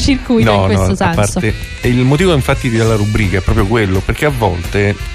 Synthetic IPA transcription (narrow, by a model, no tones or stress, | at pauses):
t͡ʃirkujnɔnɔapːaɾt̪e | ilmot̪iːvoiɱfat̪ːid̪elːaɾubɾiːkaɛpːɾɔːpɾjokwelːoperk̟eavːɔ̰lt̪e